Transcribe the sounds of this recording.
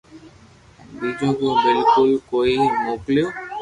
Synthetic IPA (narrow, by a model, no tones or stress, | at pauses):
bid͡ʒõkõbɪlkʊlkoimokljo